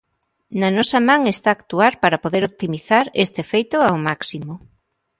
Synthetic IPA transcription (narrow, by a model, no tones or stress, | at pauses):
nɐnɔsɐmãŋest̪aːkt̪uaɾpaɾɐpoðeɾop̚t̪imiθaɾest̪efejt̪ʊawmaksimo